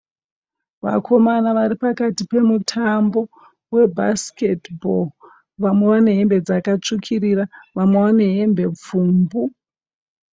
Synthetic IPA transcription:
ʋa̰kʰo̞manaʋaɾipakatipe̞mutʰambo̞ | we̞bʱa̰ske̞tbol | ʋamwe̞ʋane̞ɦembe̞d͡zakat͡ʂukʰiriraʋamwewane̞ɦembe̞p͡fuːmbu

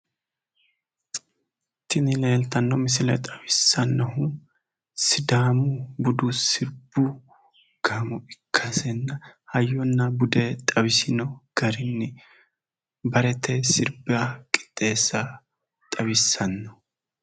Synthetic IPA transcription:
t̪ːɪnɪle̞ːlt̪ɐnːɔmɪs̬ɪlɐjt̪ʼɐwɪsːɐnːɐɦʊ | sɪd̪aːmʊbʊd̪ʊsɪɾbʊ | ɡ̥aːmʊʔɪkʰːɐsɛnːɐhɐjːɔnːɐbʊd̪ɛt̪ʼɐwɪsɪnɔɡ̥ɐɾɪnːɪ | bɐɾɛt̪ʰɛsɪɾbɪɐakʼɪ̥t̪ʼːe̞ːsːɐ | t̪ʼɐwɪsːɐnːɔ

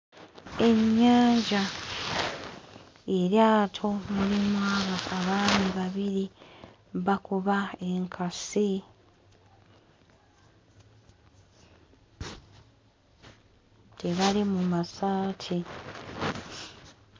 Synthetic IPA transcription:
e̞ɲːaːɲɟa | eɾjaːtʰo̞mulimwaβaaβaːniβaβiɾi | βakuβae̞ŋkʰasi | tʰe̞βalimumasaːtʰi

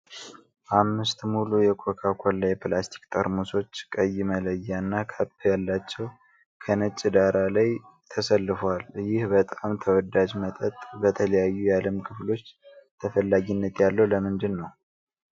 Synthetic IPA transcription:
ʔamːɨst̪mulujɛkʰokʰakʰollajɛplast̪ʰi̥kt̪ʼʰəɾmuso̞t͡ʃːkʼəjːɪmələjːanːakʰapʰːjalːat͡ʃːɛw | kʰənət͡ʃʼːɪd̪aɾalajt̪ʰəsəlːɨfwaljɪhbət̪ʼamt̪ʰəwɔd̪ad͡ʒmət̪ʼət̪ʼbət̪ʰələjajːujaləmkʰɨflo̞t͡ʃːt̪ʰəfəlːaɡinːət̪jalːəwləmɨnd̪ɨnːəw

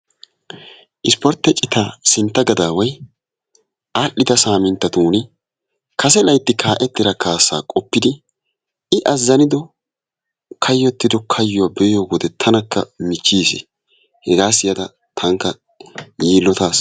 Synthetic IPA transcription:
ʔɪspɔɾt̪ːɛt͡ʃʼːɪt̪aːsɪnt̪ːɐɡɐd̪aːwɐj | ʔaːʔːɪd̪ɐsaːmɪnt̪ːɐt̪uːnɪ | kʰɐs̬ɛlɐjt̪ːɪkʰaːʔɛt̪ːɪɾɐkaːsːa̰ːkʼɔpːɪd̪ɪ | ɪʔɐzːɐnɪd̪ɔ | kʰɐjːɔt̪ːɪd̪ɔkʰɐjːʊwaːbɛjɔɡɔd̪ɛt̪ʰɐnɐkːɐ̰mɪt͡ʃːiːsɪ̰ | hɛɡaːsɪjɐd̪ɐ | t̪ʰɐŋkːɐ | jiːlːɔt̪aːs

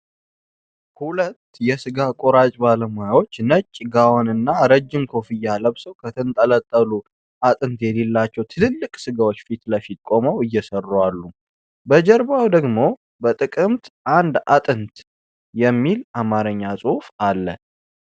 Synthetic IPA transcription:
hulət̪ːjɛsɨɡakʼo̞ɾat͡ʃʼbaləmojawo̞t͡ʃːnət͡ʃʼːɡawonɨnːaɾəd͡ʒːɪmkʰo̞fɨjːaləβsəwkʰət̪ʰɨnt̪ʼələt̪ʼːəlu | ʔat̪ʼɨnt̪jɛlelːat͡ʃːɛwt̪ʰɨnɨlːɨkʼsɨɡawo̞t͡ʃːfit̪ləfit̪̚kʼo̞məwɨjːɛsərːuwalːu | bəd͡ʒɛɾbawd̪əɡmo̞ | bət̪ʼɨkʼɨmt̪ʔand̪a̰t̪ʼɨnt̪ | jɛmːilʔamaɾəɲːasʼufalːə

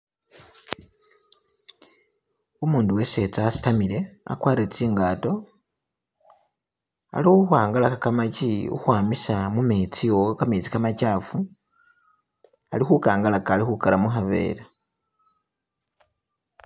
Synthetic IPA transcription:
umuːnduwe̞se̞t͡sasi̥tamile̞a̰kwaːɾiet͡siːŋɡaːto̞ | a̰liuxwaːŋɡalaxakamaciṵxwaːmisamumit͡sijokamit͡si̥kamacaːfu | a̰lixukaːŋɡalakalixukalamuxaβe̞̰ːla

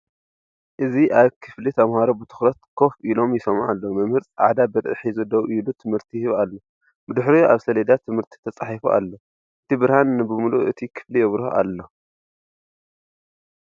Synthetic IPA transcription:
ʔɨziʔaβkʰɨflit̪ʰɐmhaɾobɨt̪ʰɨ̥xɾɐt̪kʰo̞fʔilo̞mjɪsɐmʕalːomɐmhɨɾt͡sʼʕʕa̰d̪abɨɾʔɨħijzɨd̪ɐwʔilut̪ʰɨmhɨɾt̪ʰihβalːo | bɨd̪ɨħɾiʔaβsɐlɐd̪at̪ʰɨmhɨɾt̪ʰi̥t̪ʰɐt͡sʼaħifuʔa̰lːo | ʔɨt̪ʰibɨɾhanːɨbɨmuluʔɨt̪ʰikʰɨ̥flijɛβɾhʔa̰lːo

